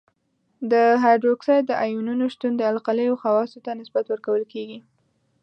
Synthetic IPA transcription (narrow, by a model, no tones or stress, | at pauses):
d̪əɦajɖɾoksɑjd̪əʔɑjununoʃt̪und̪əalqaləjoxawɑsot̪anɪsbat̪wəɾkawəlkeɡi